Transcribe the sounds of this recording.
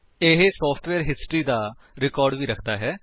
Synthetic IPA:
ɪɦsɔːpʰʈʋɛːɾɦɪsʈɾiːd̪aː | ɾɪkɔːɾɖʋiːɾəkʰd̪aːɦɛː

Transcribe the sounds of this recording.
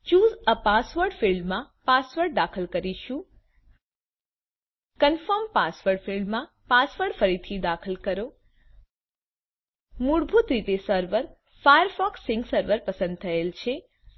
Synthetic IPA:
t͡ʃuzəpasʋəɾɖfilːãpasʋəɾɖ̚d̪akʰəlkəɾiʃũ | kənfəmpasʋəɾɖfilːã | pasʋəɾɖfəɾit̪ʰid̪akʰəlkəɾo | muɽbʱut̪ɾit̪esəɾʋəɾ | fajəɾfɔksɪ̃ŋɡsəɾʋəɾpəsə̃nd̪̚t̪ʰəelt͡ʃʰe

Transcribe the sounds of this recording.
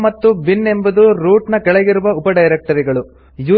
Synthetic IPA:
mɐt̪ːubinːe̞mbɐd̪uɾuːʈnɐkɛɭeɡiɾuʋɐupɐɖɐjɾek̚ʈɐɾiɡɐɭu | juː

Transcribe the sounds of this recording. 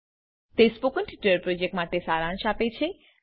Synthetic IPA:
t̪espokənʈʰiʈəɾpɾod͡ʒek̚ʈmaʈesaɾãnʃapet͡ʃʰe

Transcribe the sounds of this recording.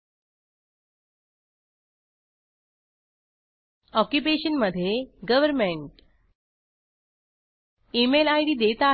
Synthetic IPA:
ɔkjupeɕənməd̪ʱːjeɡəʋəɾmeɳʈ | emelajɽiːd̪et̪a

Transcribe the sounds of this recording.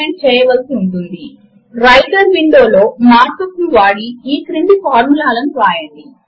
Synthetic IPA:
eɳʈ̚t͡ʃɛːjɐʋɐlsiuɳʈund̪i | ɾɐjʈɐɾʋiɳɖo̞ːlo̞ːmaːɾkɐkunʋaːɽiiːkɾiɳɖipaːɾmulaːlɐnuɾaːjɐɳɖi

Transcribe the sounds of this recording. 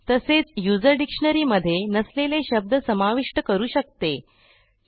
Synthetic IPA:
t̪əset͡sjud͡zəɾɖikʂəɳəɾiːməd̪ʱːjenəsleleɕəb̚d̪ʱəsəmaʋiʂʈəkəɾuːɕək̚t̪e

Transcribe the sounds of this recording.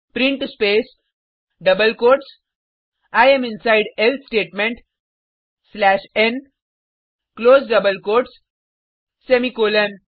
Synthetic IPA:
pɾɪ̃ɳʈspeːs | ɖʌbəlkoːɾʈs | aɪẽmɪ̃nsaɪɖelt̪sʈeːʈmẽɳʈ | slæːʃẽn | kloːzɖʌbəlkoːɾʈs | semikoːlə̃n

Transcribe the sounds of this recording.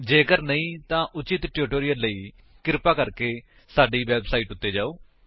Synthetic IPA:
d͡ʒeːkəɾnəĩːt̪ãːʔʊt͡ʃɪt̪ʈjuːʈoːɾijəlːəiː | kɪɾpaːkəɾkeː | saːɖiːʋɛːbsaːiːʈʊt̪ːeːd͡ʒaːoː

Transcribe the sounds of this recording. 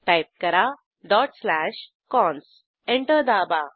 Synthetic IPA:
ʈajp̚kəɾa | ɖɔʈslæɕ | kɔ̃ns | ẽɳʈəɾd̪aba

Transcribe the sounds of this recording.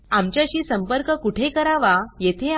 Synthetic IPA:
amt͡ɕjaɕiːsəmpəɾkəkuʈʰekəɾaʋajet̪ʰe

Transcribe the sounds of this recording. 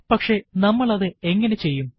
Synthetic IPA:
pɐkʂe̞nɐmːɐɭɐðɨe̞ŋːɐne̞t͡ɕe̞jːum

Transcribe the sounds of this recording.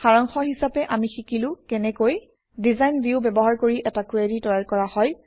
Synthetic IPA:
xaɹɔŋxɔɦisapɛʔamixikilʊ̃kɛnɛkoj | dizajnbjiʊbɛbɔɦaɹkoɹiʔɛtakɹeditɔjalkɔɹahɔj

